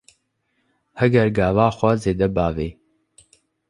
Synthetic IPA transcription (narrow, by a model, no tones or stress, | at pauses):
hɛɡɛɾɡaːvaːxʷɛzeːd̪ɛbaːveː